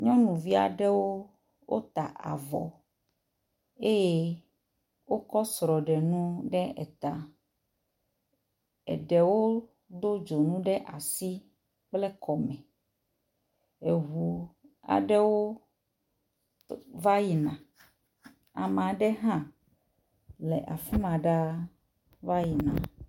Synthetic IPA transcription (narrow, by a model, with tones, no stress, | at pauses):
ɲɔ̃˦nũ˨vi˦a̰˨ɖɛ˦wo˦ | wʔo˦t̪a˨ʔa̰˨vɔ̰˨ | e˦je˦ | wo˦kɔ˦sɾɔ˨ɖɛ˨nũ˦ɖɛ˦ɛ̰˨t̪a˦ | ɛ̰˨ɖɛ˨wo˦ | d̪o˦d͡ʒo˨nũ˦ɖɛ˦ʔa˨si˦ | k͡plɛ˦kɔ˨mɛ̃˨ | e˨ɦu˨ | a̰˨ɖɛ˦wo˦ | va˦ji˨nã˨ | a̰˨m˨ã˨ɖɛ˦ɦã˦ | le˨ʔa˨fi˦mã˨ɖa˦ | va˦ji˨nã̰˨